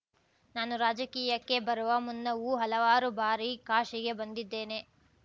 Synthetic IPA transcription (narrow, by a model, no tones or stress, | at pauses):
naːnuɾaːd͡ʒɐkiːjɐkːe̞bɐɾuʋɐmunːɐuːɦɐlɐʋaːɾubaːɾikaːʂiɡe̞bɐnd̪id̪ːe̞ːne̞